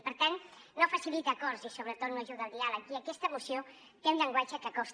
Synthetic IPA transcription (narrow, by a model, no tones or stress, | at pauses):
pəɾt̪anːofəsilit̪əːkɔɾzisoβɾət̪ot̪noʒuðəlˠd̪ialəkiəkɛst̪əmusio | t̪eũnʎəŋɡwad͡ʒəkəkɔs